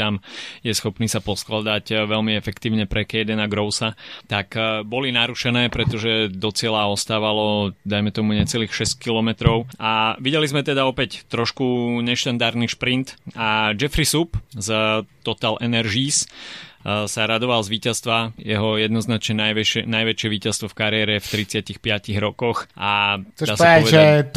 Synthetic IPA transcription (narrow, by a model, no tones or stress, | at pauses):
t̪amjɛsxɔpniːsapɔsklad̪aɟʋɛlmiɛfɛkt̪iːʊɲɛpɾɛkɛjd̪ɛnaɡɾɔʊsat̪akbɔlinaɾuʃɛnɛːpɾɛt̪ɔʒɛd̪ɔt͡sɪɛlaɔst̪aːʋalɔd̪ajmɛt̪ɔmuɲɛt͡sɛliːxʃɛsckilɔmɛt̪ɾɔʊaʋiɟɛlizmɛt̪ɛd̪aɔpɛct̪ɾɔʃkuɲɛʃt̪and̪aɾniʃpɾint̪ad͡ʒɛfɾisupzt̪ɔt̪alʔɛnɛɾʒiːs | saɾad̪ɔʋalzʋiːcast̪ʋajɛɦɔjɛd̪nɔznat͡ʃɲɛnaʋɛnajʋɛt͡ʃɪɛʋiːcast̪ʋɔfkaɾɪɛɾɛft̪ɾit͡sɪacixpɪaciɣɾɔkɔxʔad̪aːsaɛpɔɔʋɛdaɛ